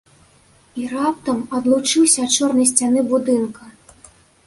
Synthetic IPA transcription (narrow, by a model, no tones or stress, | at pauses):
irap̚t̪ɐmɐd̪lˠut͡ʂɨwsʲɐːtt͡ʂɔrnɐjs̬ʲt͡sʲanɨbud̪ɨnkɐ